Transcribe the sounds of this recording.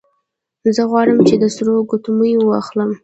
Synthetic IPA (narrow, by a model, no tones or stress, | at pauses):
zəɣwɑɽəmt͡ʃed̪əsɾoɡot̪uməjwəwɑxləm